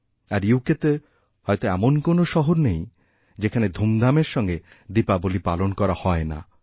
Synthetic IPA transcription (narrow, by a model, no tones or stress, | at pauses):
aɾjuket̪e | hɔjt̪oɛmonkonoʃɔɦoɾnej | d͡ʑekʰaned̪ʱumd̪ameɾʃɔŋɡe | d̪ipabolipalonkɔɾahɔena̰